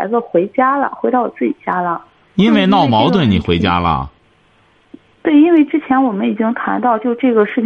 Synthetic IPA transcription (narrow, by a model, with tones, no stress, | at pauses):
ɪd͡zə˧xwe˧˥ɪt͡ɕja˥lə̰˨xwe˧˥ɑ˥˧ʊwɔ˨˩t͡sɹ̩˥˩t͡ɕi˨˩t͡ɕja˥lə˨ | i˥nwe˥˧ɪnɑ˥˩ʊmɑ˧˥ʊt̪wə˥˩nni˨˩xwe˧˥ɪt͡ɕja̰˥lə̰˨ | t̪we˥˩ɪi˥nwe˥˩ɪʈ͡ʂɻ̩˥t͡ɕʰjɛ˧˥nwɔ˨˩mə˦ni˨˩t͡ɕi˥ŋt̪ʰa˧˥nt̪ɑ˥˧ʊt͡ɕjo˥˧ʊʈ͡ʂɤ˥˩ɡə˩ʂɻ̩˥˩